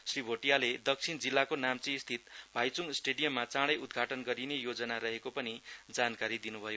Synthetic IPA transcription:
sribʱoʈijaled̪ʌk̚t͡sʰind͡zilːakonamt͡sĩst̪ʰit̪̚bʱajt͡suŋsʈeɖijʌmːat͡sãɽʌjud̪ɡʱaʈʌnɡʌɾinejod͡zʌnaɾʌɦekopʌnid͡zankaɾid̪inubʱʌjo

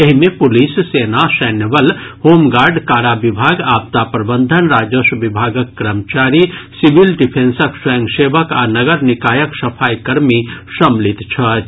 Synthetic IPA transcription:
eɦimẽpʊlissenasɛːnjəʋəlhoːmɡaːɾɖkaːɾabibʱaːɡaːb̚t̪apɾəbənd̪ʱənɾaːd͡ʒosʋibʱaːɡəkːɾəmt͡ʃaɾisiʋilɖipʰẽnsəksəjə̃ŋɡseʋəka̰ːnɐɡəɾnikaːjəksɐpʰaːjkəɾmisəmlit̪t͡ʃʰɐ

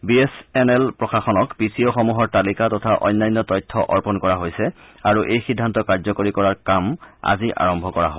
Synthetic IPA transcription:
biesɛnɛlpɹɔxaxɔnɔkbisioxɔmuɦɔɹtalikatɔtʰaʔɔ̰jnːajnːɔtɔjtʰːɔʔɔɹpɔnkɔɹaɦojsɛ | aɹuʔejxidʱːantɔkaɹzɔkoɹikɔɹaɹkama̰ziʔa̰ɹɔmbʱɔkɔɹa̰ɦob

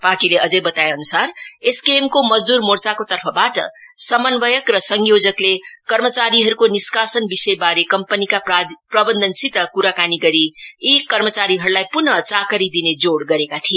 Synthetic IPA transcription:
parʈileʔʌd͡zebʌt̪aeʌnusareskemkomʌd͡zd̪uɾmort͡sakot̪ʌrpʰʌbaʈʌ̰ | sʌmənbʌjʌkrʌsʌŋjod͡zʌklekʌrmʌt͡saɾiɦʌɾukoniskasʌnbisʌjbaɾekʌmpənikapprʌbʌnd̪ʱʌnsit̪ʌkuɾakaniɡʌɾiikʌrmʌt͡saɾiɦʌɾulajpunʌt͡sakəɾid̪ined͡zoɽɡʌɾekat̪ʰie

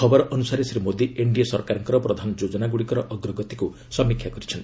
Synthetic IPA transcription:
kʰɔbɔɾɔʔɔnusaɾesɾimod̪ieɳɖijsɔɾkaɾɔŋkɔɾɔpɾɔd̪ʱanɔd͡ʒod͡ʒɔnaɡuɽikɔɾɔʔɔɡɾɔɡɔt̪iku | sɔmikʰːjakɔɾit͡ʃʰɔnt̪

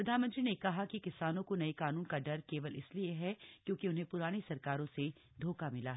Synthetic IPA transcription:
pɾɐd̪ʱaːnmɐ̃nt̪ɾinekɐɦakikɪsaːnõkonɐekaːnuːnkaɖɐɾkeːʋəlɪ̰slieɦɛkjõːkiʊnɦẽpʊɾaːñesɐɾkaːɾõse | d̪ʱoːkamɪlaɦɛː

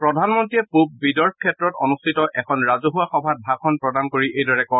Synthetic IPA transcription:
pɹɔdʱanmɔntɹijɛpub̚bidɔɹpʰkʰɛtɹɔto̰nustʰitɔʔɛkʰɔnɹazuɦuaxɔbʱat̚bʱakʰɔnpɹɔdankoɹiʔejdɔɹɛkɔn

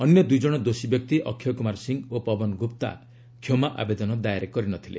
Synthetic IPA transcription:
ɔnjɔd̪ujd͡ʒɔɽ̃ɔd̪osibjɔk̚t̪iʔɔkʰːjɔkumaɾsiŋopɔbɔnɡupt̪a̰ | kʰjomaʔa̰bed̪ɔnɔd̪ajaɾekɔɾinɔt̪ʰilḛ

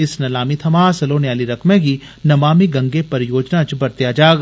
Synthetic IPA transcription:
ɪsnɐlaːmit̪ʰɐmaːsɐloːnjaːliɾɐkmẽkinɐmaːmiɡɐ̃ŋɡepɐɾjoːd͡ʒnat͡ʃbɐɾt̪jaːd͡ʒaːɡ

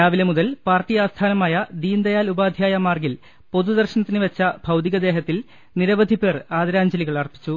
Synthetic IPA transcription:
ɾaːʋilɐmuðɐlpaːrʈːijaːst̪ʰaːnɐmaːjɐd̪iːnd̪ɐjaːlubaːd̪ʱjaːjɐmaːrɡil | po̞d̪ud̪ɐrɕɐnɐt̪ːinɨʋet͡ɕːɐbʱɐwt̪iɣɐd̪e̞ːɦɐt̪ːil | niɾɐʋɐd̪ʱipe̞ːraːðɐɾaːɲd͡ʑɐliɣɐɭɐrpːi̥t͡ɕːu

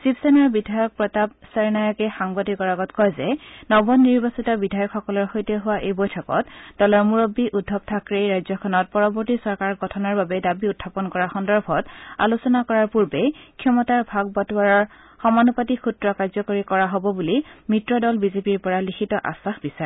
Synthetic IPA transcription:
sipsenaɹbidʱajɔk̚pɹɔtab̚seɹnajɔkɛxaŋbadikɔɹaɡɔtkɔjzɛnɔbɔnːiɹbasitɔbidʱajɔkxɔkɔlɔɹxojtɛɦʊwaʔejbojtʰɔkɔ̰td̥ɔlɔɹmuɹobːiʔudʱːɔb̚tʰakɹeɹajzɔkʰɔnɔt̚pɔɹɔbɔɹtisɔɹkaɹɡɔtʰɔnɔɹbabɛdabiutʰːapɔnkɔɹaxɔndɔɹbʱɔta̰lusɔnakɔɹaɹpuɹbɛkʰɔmɔtaɹbʱaɡ̚bɔtuaɹɔɹ | xɔmanupatixʰutɹɔkaɹzɔkoɹikɔɹaɦobɔbulimitɹɔdɔlbizepiɹpɔɹalikʰitɔʔa̰saxbisaɹɛ

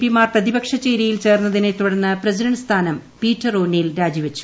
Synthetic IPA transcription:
pimaːrprɐðibɐkʂɐt͡ɕːejɾɐjilt͡ɕe̞ːrnːɐðinet̪uɽɐnːɨprɐsidɐɳɖst̪ʰaːnɐmpiːtːɐroːnːilɾaːd͡ʑiʋɐt͡ɕːu̥

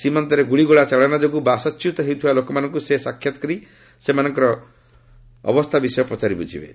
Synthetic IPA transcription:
simɔnt̪ɔɾeɡuɭiɡuɭat͡ʃaɭanad͡ʒɔɡubasɔt͡ʃjut̪ɔɦewt̪ʰiwalokɔmanɔ̃ŋkusesakʰːjat̪ɔ̥kɔɾi | semanɔŋkɔɾɔ | bɔst̪ʰabisɔjɔpɔt͡ʃaɾibɔd͡ʒʰḭbḛ

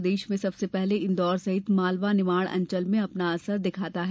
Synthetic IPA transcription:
d̪eːʃmẽsɐbsepɛɦleɪ̃nd̪ɔːɾsɐɦɪt̪maːlʋanɪmaːɽ̃ɐ̰̃ɲt͡ʃəlmẽɐpnaɐsəɾd̪ɪkʰaːt̪aɦɛ

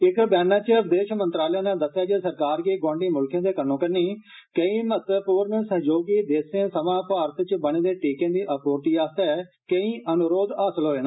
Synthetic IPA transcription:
ɪkbɛːnãːt͡ʃəəbd̪eːʃmə̃nt̪ɾaːljãːnãːd̪əsːjaːd͡ʒeːsəɾkaːɾkiːɡwɔ̃ːɳɖiːmʊlkʰẽːd̪eːkənːõːkəɾniː | kəĩːmət̪əpuːɾnəsəɦd͡ʒoːɡiːd̪eːsẽːsəmãːpaːɾət̪t͡ʃbəɽ̃ẽːd̪eːʈiːkẽːd̪iːʔəpoːɾʈiːaːsɛː | kəĩːʔənʊɾoːd̪aːsəlɦoːeːnaː

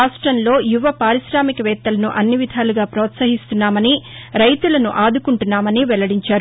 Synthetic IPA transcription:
aːʂʈɾɐnlo̞ːjuʋɐpaːɾiʃɾaːmikɐʋɛːt̪ːɐlɐnuʔɐnːiʋid̪ʱaːluɡaːpɾɔːt̪sɐɦist̪unːaːmɐniɾɐjt̪ulɐnuʔaːd̪ukuɳʈunːaːmɐniʋɛlɐɽiɲt͡ʃaːɾu

